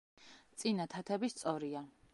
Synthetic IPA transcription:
t̪sʼinat̪ʰat̪ʰɛbist̪sʼɔɾia

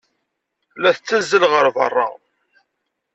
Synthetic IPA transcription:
læθət͡sːæzːəlʁəɾvə̰rˤːɑ̰

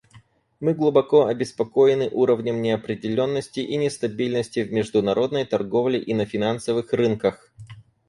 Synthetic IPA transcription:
mɨɡlˠʊbɐko̞ɐbʲɪspɐko̞jɪnɨʔuɾəvnʲəmnʲɪɐpɾʲɪdʲɪlʲo̞nːəsʲtʲɪʔinʲɪst̪ɐbʲilʲnəsʲtʲɪvmʲɪʐd̪ʊnɐɾʔo̞d̪nəjt̪ɐrɡo̞vlʲɪʔinəfʲɪnansəvɨxrɨnkəx

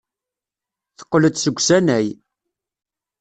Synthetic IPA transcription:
θə̥qːləd̪səɡʷsænæj

